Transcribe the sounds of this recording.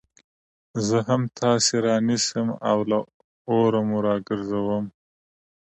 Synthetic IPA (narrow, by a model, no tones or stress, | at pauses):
zəɦamt̪ʰɑseɾɑːnisəmawla | oɾamuɾɑːɡəɾzawəm